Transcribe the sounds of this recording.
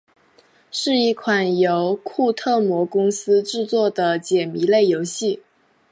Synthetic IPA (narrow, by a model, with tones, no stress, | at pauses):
ʂɻ̩˥˧i˥˩kʰwa˨˩njo˧˥ʊkʰu˥˧t̪ʰɤ˥˩mwɔ˧˥kʊ˥ŋsɹ̩˥ʈ͡ʂɻ̩˥˧t͡swɔ˥˩d̪ə˩t͡ɕjɛ˨˩mi˧˥le˥˩ɪjo˧˥ʊɕi˥˩